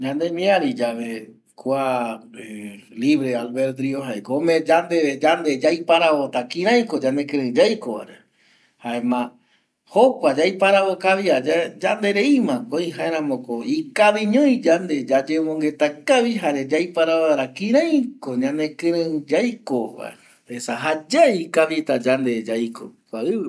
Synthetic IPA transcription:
d͡ʒãnd̪emĩaɾid͡ʒaβe | kʷae | liβɾealβeɾd̪ɾioɦaekoomẽd͡ʒand̪ed͡ʒand̪e̞d͡ʒajpaɾaβot̪akĩɾ̃ãj̃kod͡ʒãnekɨ̃ɾɨ̃d͡ʒajkoβa̰ɾe | haemã | hopad͡ʒajpaɾaβokaβiad͡ʒad͡ʒand̪e̞ɾeimãkoĩɦãeɾãmõkoikaβĩɲõj̃d͡ʒand̪e̞d͡ʒad͡ʒemõŋɡe̞t̪akaβiɦaɾed͡ʒajpaɾaaɾakĩɾãj̃koɲãnẽkɨ̃ɾɨ̃d͡ʒajkoβa̰e | esaɦad͡ʒaikaβit̪ad͡ʒand̪ed͡ʒajkokʷaɨ

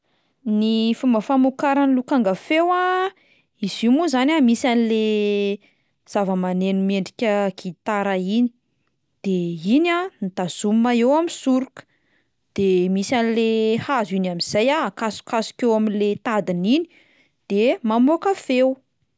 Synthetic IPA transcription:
nifumbəfamukaɾanilukaŋɡafewa | izimuzanʲamisanile | z̥avəmanenumeɳɖ͡ʐikʲəkit̪aɾaini̥ | d̪̥einanit̪az̥ummaewamisuɾukə̥ | d̪̥emisanilehazinamiz̥ajaakasu̥kasu̥kʲewaminlet̪ad̪inini̥ | d̪̥emamokafew

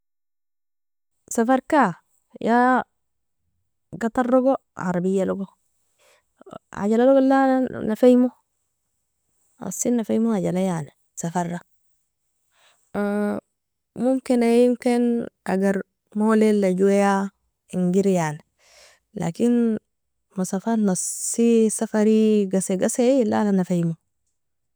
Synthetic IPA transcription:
safaɾka | ja | ɡat̪aɾːoɡo | a̰ɾabijːaloɡo | a̰ɟalaloɡolanafajmo | a̰sinːafajmoaɟalajane | safarːa | mumkinajimkinʔaɡaɾ | moːlelːaɟuweja | iŋɡiɾjaːni | la̰kin | mosafaɾnɑsisafaɾiɡaseɡaselːa̰nanafajmo

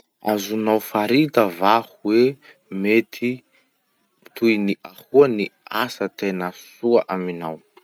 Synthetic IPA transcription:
a̰zunawfaɾit̪əvahuwe | met̪ʰi | t̪ujniʔahuaniasət̪enəsuaʔaminaw

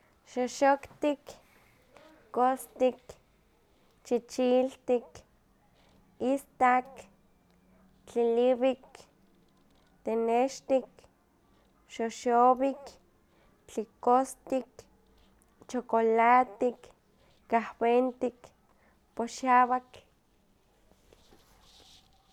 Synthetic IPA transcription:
ʃoʃokt̪ik | ost̪ik | t͡ʃit͡ʃilt̪ik | ist̪ak | t͡ɬiliβik | t̪eneʃt̪ik | ʃoʃoβik | t͡ɬikost̪ik | t͡ʃokolat̪ikː | ahwent̪ik | poʃaβak

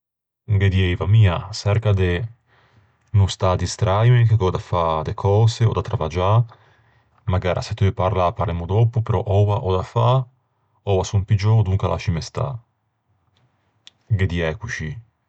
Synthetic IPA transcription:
ɡed̪iɛjvamiːasɛɾkad̪e | nust̪ad̪ist̪ɾʔajmekeɡɔd̪afad̪ekʰɔːseod̪at̪ɾavad͡ʒa | maɡaːɾʔa̰set̪ːøpaɾlapaɾlɛmod̪ɔpopeɾɔ̰ʔɔwaʔɔd̪afa | ɔvasumpid͡ʒod̪uŋkalʔa̰t͡ʃimest̪a̰ | ɡed̪iɛkut͡ʃi

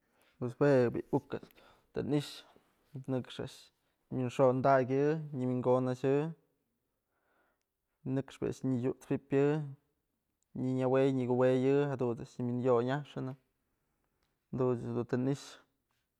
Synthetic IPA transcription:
pweswebḭʔukɨt͡s | t̪ɨ̰niʂ | nɨkʂa̰ʔʂ | mʲinʂond̪aɡʲɨɲimiŋɡonaʃɨ | nɨkʂpɨ̰a̰ʔʂɲɨjuʔt͡spipʲjɨ | ɲiɲawejɲiɡuwejɨɦad̪uaʔʃɲmʲinjoɲaʂɨnɨ | d̪ud̪unt̪ɨniʂ

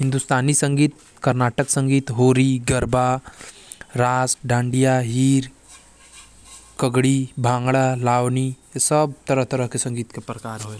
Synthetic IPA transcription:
ɦĩnd̪ust̪aːnisəŋɡiːt̪̚ | kəɾnaʈəksə̃ŋɡiːt̪ɦoːɾiːɡəɾba | ɾasɖãːɳɖijaɦiːɾ | kəɡɽiːbʱãːŋɡɭalaːʋnijesəbt̪əɾəɦt̪əɾəɦkesə̃ŋɡiːt̪kepɾəkaːɾɦoe

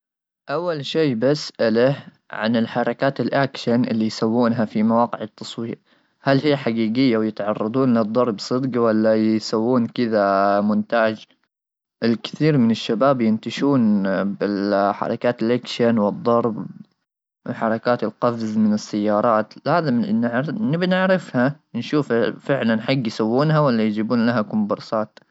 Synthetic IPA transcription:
ʔawːalʃeːbasʔala | ʕa̰nɪlħɑɾˤɑkaːt̪ɪlʔakʃanʔɪ̰lːijsawːuːnɦafimawɑːqɪʕɪt̪ʰːɑsˤwiːʔ | halhijːħaɡiːɡɪjːawjɪt̪ʕɑrˤːɑd̪ˤuːnlɨd̪ˤːɑɾˤbsˤɨd̪qwalːajsawːuːnkɪðamʊnt̪aːd͡ʒ | ʔɪlkɪ̥θiːɾmɪnɪʃːabaːbjɪnt̪aʃuːnbɪlħɑ̰ɾˤɑ̰kaːt̪ɪlʔakʃanwɨd̪ˤːɑɾˤb | wɪħɑɾˤɑkaːt̪ɪlqɑbzmɪnɪsːajːɑːɾˤɑːt̪laːðɪmnɪʕɾnɪbnɪʕɾɪfha | nʃuːffɪʕlanħaɡːjsawːuːnɦawalːajd͡ʒiːbuːnlaɦakʊmbʊɾˤsɑːt̪

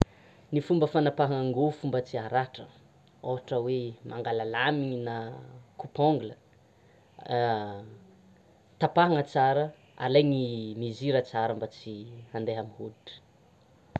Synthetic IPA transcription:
nifumbəfanapaɦaaŋɡofumbət͡siaɾaʈ͡ʂə̰ | oɦaʈ͡ʂəwemʔaŋɡalalamiɲinakupoŋɡulə | t̪apaɦaŋət͡saɾə | a̰lajŋimiziɾət͡saɾəmbat͡sihand̪eɦamiɦuliʈ͡ʂə̥

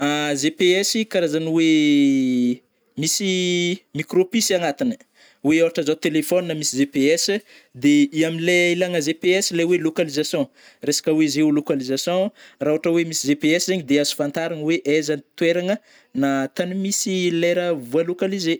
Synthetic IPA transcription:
azepeɛsikaɾazaniwe | misimikropisanat̪inə̥ | weawaʈ͡ʂəzat̪elefɔninamisizepeɛs | d̪eiamileilaŋəzepeɛsilejwelokalizasjɔ̃ | resḁkəwezewlokalizasjɔ̃rauaʈ͡ʂəwemisizepeɛsizaɲid̪eazu̥fant̪aɾaŋweʔezant̪weɾaŋə | nat̪animisileɾəvualokalize

